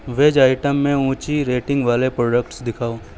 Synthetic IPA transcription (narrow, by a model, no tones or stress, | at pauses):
ʋeːd͡ʒaːɪʈəmːẽũːt͡ʃiɾeːʈɪ̃ŋɡʋaːlepɾɔːɖəkʈsd̪ɪkʰaːoː